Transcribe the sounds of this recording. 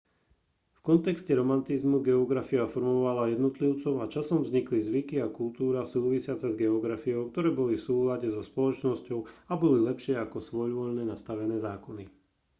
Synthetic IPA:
fkɔnt̪ɛkscɛɾɔmant̪izmuɡɛɔɡɾafiafɔɾmɔʋalajɛd̪nɔt̪liʊt͡sɔʊat͡ʃasɔmvzɲiklizʋikiakult̪uːɾasuːʋisɪat͡sɛzɡɛɔɡɾafijɔʊk̚t̪ɔɾɛːbɔlifsuːlaɟɛzɔspɔlɔt͡ʃnɔscɔʊabɔlilɛpʃɪɛakɔsʋɔʎʋɔʎnɛnast̪aʋɛnɛːzaːkɔni

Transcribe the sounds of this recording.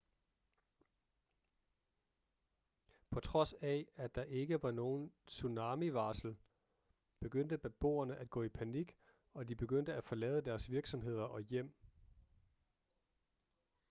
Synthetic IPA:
pʰɒ̽t͡sʰʁɒ̽sææ̥ɑ̈ʔe̝ɡ̥əʋɑ̈no̝ːn̩sunɑ̈ːmiʋɑ̈ːsl̩ | b̥e̝ɡ̥øn̰d̥əb̥æb̥o̝̰ːɐnəʔæd̥̚ɡ̥ɔ̰ːipʰæniɡ̥ | ɒ̽d̥ib̥e̝ɡ̥øn̰d̥əæfɒ̽lɛːðˠəd̥æːɐsʋiɐɡ̥sɒ̽mɦe̝ð̞̰ˠɐʔɒ̽jem̰

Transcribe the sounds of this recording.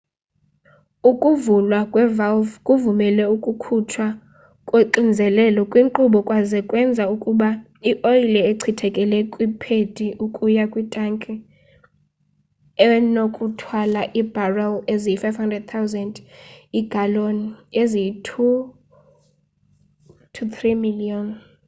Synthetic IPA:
ukʼuvulwakʼwɛvalvkʼuvumɛlɛukʼukʰut͡ʃʰwa | kʼweǃind͡zʱɛlɛlɔkʼwiŋǃuɓɔkʼwazɛkʼwɛnd͡zʱaukʼuɓa | iʔoilɛeǀʰitʰɛkʼɛlɛkʼwipʰed̥ʱiʔukʼujakʼwitʼaŋkʼɛ | ɛnokʼutʰwalaʔib̥ʱarawezijifajvhandrɛd̚t̪ʰawzɛndiɡ̥ʱaloniezijitʰu | tʰuθrimiliɔn

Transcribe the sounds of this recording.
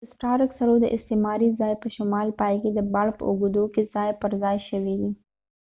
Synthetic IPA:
əsʈɑɾksaɾod̪əʔɪst̪emɑɾizɑjpəʃʊmɑlpɑjked̪əbɑɽpə̰ʔuɡud̪okez̥ɑjpəɾzɑjʃəwid̪i

